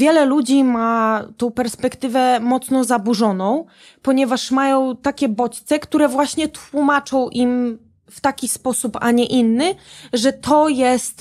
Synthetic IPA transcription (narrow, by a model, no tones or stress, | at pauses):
vʲjɛlɛlud͡ʑimat̪ɔ̃w̃pɛɾspɛkt̪ɘvɛmɔt̪snɔzabuʐɔnɔ̃w̃ | pɔɲɛvaʂmajɔ̃w̃t̪akʲɛbɔt͡ɕt̪sɛkt̪uɾɛvwaɕɲɛt̪wumat͡ʂɔ̃w̃ʔim | ft̪akʲispɔsupa̰ɲɛʔinːɘʐɛt̪ɔjɛst̪